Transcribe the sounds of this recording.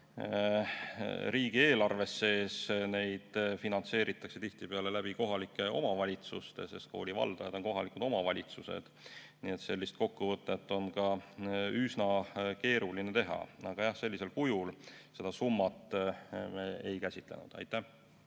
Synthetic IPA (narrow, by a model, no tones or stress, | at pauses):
ɾiːɡie̞ːlɑrve̞sːe̞ːsne̞jd̪̥finɑnt̪se̞ːɾit̪ːˑɑkse̞t̪iht̪ipe̞ɑle̞læb̥iko̞ɦɑlikːˑe̞ʔo̞̰mɑvɑlʲit̪sust̪ese̞st̪̚koːlʲivɑ̰ld̪̥ɑjɑd̪̥o̞nko̞ɦɑlikud̪̥o̞mɑvɑlʲit̪susḛd̪̥ | nie̞t̪se̞lʲːist̪̚ko̞kːuvɤt̪ːˑe̞t̪ːˑo̞nkɑ | ysnɑke̞ːɾulinet̪e̞ɦɑ̰ɑɡ̥ɑjɑhse̞lʲːise̞lkujulse̞d̪̥ɑsumːɑt̪ˑmeejkæsʲit̪ˑle̞̰nud̪̥ɑ̰jt̪ˑːæh